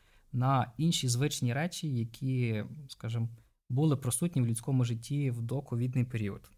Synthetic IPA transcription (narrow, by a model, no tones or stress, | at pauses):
nɐinʲʃizʋɪt͡ʃnʲiɾɛt͡ʃʲijɐkʲʰiskaʒɪm | bulˠɪpɾɔsutʲnʲiwlʲʊdʲt͡sʲkɔmʊʒɪtʲːiwd̪ɔkɔʋʲid̪nɪjpeɾʲiɔd̪